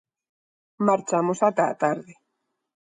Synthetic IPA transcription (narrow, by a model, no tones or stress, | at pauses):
maɾt͡ʃamusat̪a̰t̪aɾði